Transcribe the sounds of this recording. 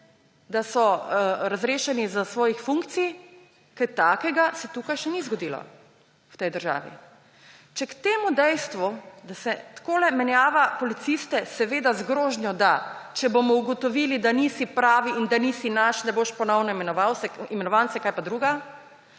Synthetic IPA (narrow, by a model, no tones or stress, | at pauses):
d̪asɔɾazɾeːʃɛnizasʋɔːjixfuŋkt̪sij | kəɾt̪aːkɛɡasɛt̪uːkajʃɛnizɡɔd̪ilɔ̰ | wt̪ɛjd̪əɾʒa̰ːʋḭ | t͡ʃɛkt̪eːmud̪ɛjst̪ʋud̪asɛt̪koːlɛmɛnjaːʋapɔlit̪sist̪ɛsɛʋeːd̪azɡɾoːʒnjɔd̪at͡ʃɛbomɔuɡɔt̪ɔʋilid̪anisipɾaːʋiind̪anisinaʃnɛboʃpɔnɔwnɔimɛnɔʋawsɛimɛnɔʋansɛkajpad̪ɾuːɡa